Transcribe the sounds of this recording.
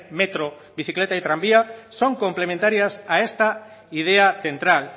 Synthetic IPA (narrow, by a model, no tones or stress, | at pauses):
met̪ɾo | βiθiklet̪ait̪ɾambiasoŋkomplemẽnt̪aɾjasaest̪a | ið̞eaθent̪ɾal